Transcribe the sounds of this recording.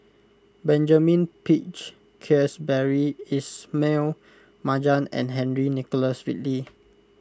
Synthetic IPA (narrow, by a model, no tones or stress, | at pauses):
bɛ̃nd͡ʒamĩnpit͡ʃ | kʰɛsbɛɹiismel | mad͡ʒãnɛ̰̃nɦɛ̃nɹinikɔləswit̚li